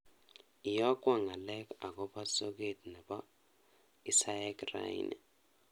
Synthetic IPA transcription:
i˨jɔ˦kʼwa˦ŋa˨lɛ˦kʰʼa˨k̬ʼɔ˦ɓa˦sɔ˦k̬e˨tʼnɛ˨ɓɔ˦ | i˦sa˦jakra̰ḭnʔɛ̰

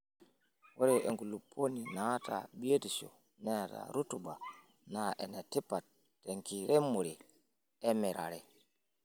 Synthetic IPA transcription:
wʔɔ˦ɾɛʔe˨ŋɡu˨lupʰːo˦ni˨na˦ta̰˨bi˦e˦ti˨so̰˨ | nɛ˦ta̰˨ɾu˦tu˨ba˨ | na˨ʔɛ˨na˨ti˦pːa˨tː | ɛ˨ŋki˨ɾɛ˦mo˨ɾi˨ | ɛ˦mɛ˨ɾa̰˨ɾɛ˨

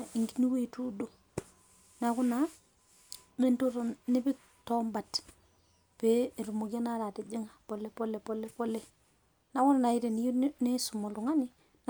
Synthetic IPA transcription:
i˨ŋɡi˦ni˦we˦i˨tu˦do˨ | na˨ku˦na˨ | me˦nto˦ɾo˨nɪ˦bɪ˦k | tɔ˦mba˨t | pe˦˨ɾu˨mo˨ɡja˦na˦ɾa˨te˨d͡ʒe˦ŋa˨pɔ˨lɛ˦˨pɔ˦lɛ˨pɔ˦lɛ˦pɔ˦lɛ˦ | na˨˦kʊ˦na˨na˨i˦ɾe˨ni˨˦jne˦su˨mɔ˨lu˨ŋa˦ni˦ | n

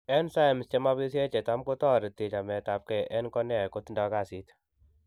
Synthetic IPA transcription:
ɛ˦nsa˦jmst͡ʃe˦ma˦bi˦s̬je˦t͡ʃe˨ta˦mko˦tɔ˦ɾi˨ti˨t͡ʃa˨mɛ˨tap̚kɛ˨ʔɛ˦nkɔ˦na˦˨ko˦tnda˨ka˦˨si˦t

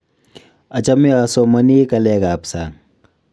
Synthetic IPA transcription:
ɐ˨t͡ʃɐ˦mja˨so˦mɐ˦ni˦kɐ˨lɛ˦ka˨psa˨ŋ

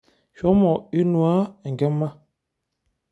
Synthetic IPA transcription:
ʃɔ˦mɔ˨i˦nu˨a˦˨ŋ˨ɡɛ˦mːa˦

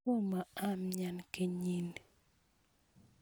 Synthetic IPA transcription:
u˦ma˨a˦˨mɲa˨nkɪ˨ɲi˦˨n

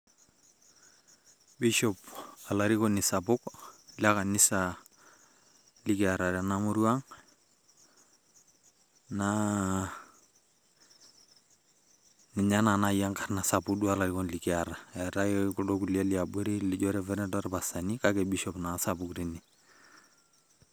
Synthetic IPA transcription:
bi˦ʃɔ˨pa˨la˨ɾi˦kɔ˦ni˨sa˨bʊ˦kla˦ka˨nɪ˦sa | li˦kɛ˨a˨ɾa˨ɾa˨namu˦ɾu˦a˦ŋ | na | nɪ˨ɲa˦na˨na˦ja˦ŋka˨ɾna˨sa˨pu˦kdu˦a˨la˨ɾi˦kɔ˦nli˨kia˨ɾa˨a˨ɾa˦kɛku˨dɔ˦ku˨li˦a˦lia˨bɔ˦ɾi˦lɪ˦ɟɔ˦ɾɛ˦vɛ˦ɾɛ˦dɔ˦ɾpa˨sa˨ni˦ka˦kɛ˨bi˦ʃɔpna˨sa˨bukɾi˨ni˨

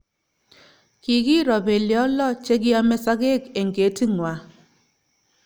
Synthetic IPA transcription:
kɪ˨ɡi˦ɾɔ˨be˨ljɔ˦lɔ˦t͡ʃe˦ɡɪ˦a˦mɛ˦sa˦ɡe˦ke˨ŋɡe˨ti˦ŋwa˨

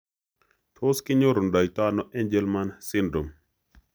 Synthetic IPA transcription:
tʰo˦skɪ˦ɲo˦ɾo˨nda˨jt̪a˦nɔ˦ʔɛ˦ɲd͡ʒɛ˦lma˦nsɪ˦ndɾo˨m

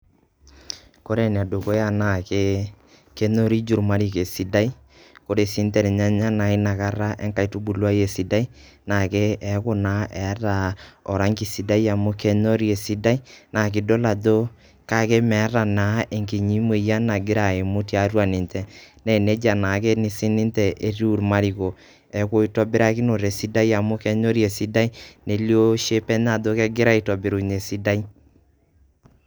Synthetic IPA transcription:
ko˦ɾe˨n˨a˨do˨ko˦ja˦na˨ke˦ | ke˦no˦ɾi˦d͡ʒu˨ɾma˦ɾi˨ke˨si˦da˦i˦ | ko˦ɾe˨si˦ntɛ˨ɾɛ˨ɲa˦ɲa˦na˨ɪ˦na˨ka˦ɾa˦ʔɛ̰˦ŋka˨i˨tu˦bu˨lwa˦je˨si˨da˦i˦ | na˨ke˦ɛ˨˦kʊ˦na˨˦ʔɛ˨˦ɾa˨ɔ˨ɾa˦ŋki˨si˨da˦i˦a˨mʊ˦ke˦no˦ɾi˦e˨si˦da˦i˦na˨k̬ɪ˨do˦la˨do˦ | ka˦kɛ˦mɛ˨˦ɾa˨na˨˦e˨ŋki˨ɲi˦mwe˨ja˦na˨ɡɪ˦ɾa˨e˨mo˦tja˦ɾwa˨ni˨ntɛ˨nɛ˨nɛ˦d͡ʒa˨na˨kɛ˦ni˦si˦ni˦ntɛ˨ʔe˦ɾu˦˨ɾma˦ɾi˨ko˨ | ɛ˨ko˦i˦tɔ˦bɪ˦ɾa˦ki˦no˨ɾe˨si˦da˦i˦a˨mo˦kɛ˦no˦ɾje˨si˦da˦i˦ne˨ljo˦ʃe˦pɛ˦n˦a˨do˦kɛ˦ɡɪ˦ɾa˦i˨tɔ˨bɪ˨ɾu˨ne˨si˦da˦i˦

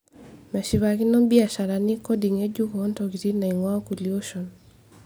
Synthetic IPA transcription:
mɛ˨ʃi˨βa˨ki˦nɔ˦bi˦a˨ʃa˨ɾa˨ni˦kɔ˦di˨ŋe˦d͡ʒu˦ko˨˦ntɔ˨ki˨ti˦na˨i˨ŋwa˦ku˨lio˦ʃɔ˨n

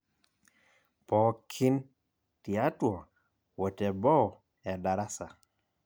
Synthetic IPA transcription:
pɔ˨kʰi˦n | ti˨a˦twɔ˨ | wɔ˨tɛ˨bɔ˦˨ | ɛ˨da˨ɾa˦sa˨

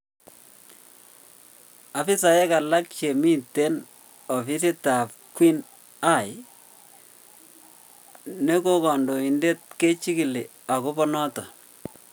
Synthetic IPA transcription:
a˨fi˦sa˨jɛ˦ka˨la˦k̚t͡ʃe˨mi˦te˦n | ɔ˨fi˦si˦ta˨p̚ | kwi˦n | a˦˨j | ne˦ko˦kɔ˨ndo˨i˨nde˦t̚ke˦t͡ʃi˦ki˨li˨ | a˨ko˦pɔ˦nɔ˦tɔ˨

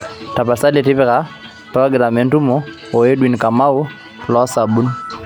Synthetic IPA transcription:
ta˨pa˨sa˦lɛ˨ti˦pɛ˦ka˦ | pɾɔ˦ɡɾa˨mɛ˨n˦tu˦mɔ˦ | ɔ˨ɛ˦ɗwi˨n˨ka˨ma˦u˦ | lɔ˦sa˨ɓu˦n

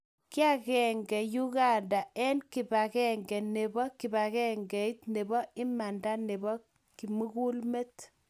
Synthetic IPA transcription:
ki˦a˦kɛ˨ŋɡɛ˨ju˦ɡa˦nda˨ʔɛ˦nki˨ba˨kɛ˨ŋɡɛ˨ne˨bɔ˦ki˨ba˨kɛ˦ŋɡɛ˨i˦t̪ne˨bɔ˦ɪ˦ma˨nda˦ne˨bɔ˦ | ki˨mu˦ku˦lme˦t

